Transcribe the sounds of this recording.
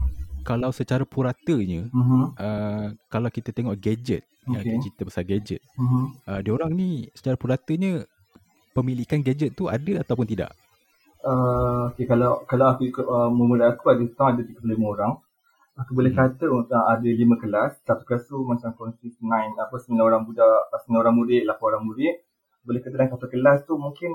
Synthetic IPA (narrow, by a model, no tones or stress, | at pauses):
kalawsət͡ʃaɾapuɾat̪əɲə̃m̩ɦʔəkalawkit̪ət̪eŋɔʔɡad͡ʒə̰t̪̚jaŋit͡ʃit̪əbəsarɡad͡ʒə̰t̪̩̚ɦʔədəoɾaŋnisə̥t͡ʃaɾapuɾat̪əɲə | pəmilikanɡad͡ʒət̪̚t̪ːua̰dəat̪awp̬ʊnt̪ida̰ʔ | əokekalawkalawakuikʊt̪̚əməmuɾaakuadəsət̪aŋadət̪iɡətlimə̃oɾaŋ | akubolɛhkat̪əəadəlimə̃kəlast̪at̪u̥kast̪umat͡ʃaŋkɔnsisnãjnapəsəmənãoɾaŋbudaʔsəmənaoɾaŋmudɪʔlapoɾaŋmudɪʔ | bolɛhkat̪ədãŋkat̪əkəlast̪umũŋkɪn